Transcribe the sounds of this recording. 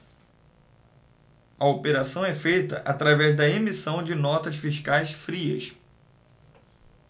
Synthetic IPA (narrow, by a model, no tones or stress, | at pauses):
ɐopeɾasɐ̃w̃ɛfejt̪ɐ̰ʔat̪ɾavɛzd̪ɐemisɐ̃w̃d͡ʒɪnɔt̪ɐsfiʃkajsfɾiɐ̰s